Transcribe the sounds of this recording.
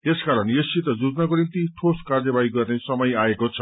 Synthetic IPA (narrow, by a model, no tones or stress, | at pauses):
t̪eskaɾʌnjessit̪ʌd͡zud͡znakonimt̪iʈʰoskard͡zʌbaiɡʌrnesʌmʌjaekot͡sʰʌ